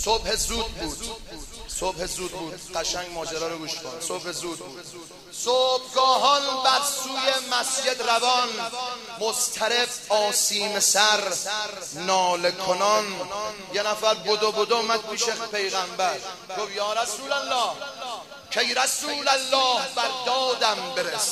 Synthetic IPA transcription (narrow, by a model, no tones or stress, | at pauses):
sobhezuːd̪̚buːd̪̥ | sobhezuːd̪̚bu̥ːɢæʃæŋɡmɒːd͡ʒæɾɒːɾoɡuːʃko̰nsob̥hezuːd̪̚bu̥ː | soːb̚ɡɒːɦɒːnbæɾsuːjemæsje̞d̪ɾævɒn | most̪ʰæɾebɒːsiːmesæɾ | nɒːlekʰonɒn | jenæfæɾbod̪obod̪omæd̪̚pʰiːʃepe̞jɣæmbæɾɡofjɒːɾæsuːlælːɒːh | kʰejɾæsuːlælːɒːhbæɾd̪ɒːd̪æmbeɾes